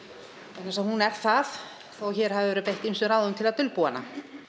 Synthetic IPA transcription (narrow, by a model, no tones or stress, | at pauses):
ɛnːasahunɛɾ̥θaθ | ɔɣçɛːɾ̥havɪvɛːɾʏpejht̪insʏɾaːwðʏmt̪ʰɪlat̪ʏlpuana̰